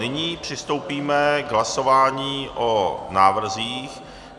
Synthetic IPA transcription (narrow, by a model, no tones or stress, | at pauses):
ɪɲiːpr̝̥ɪst̪o̞wpiːmɛɡɦlaso̞vaːɲiːʔonaːvr̩ziːx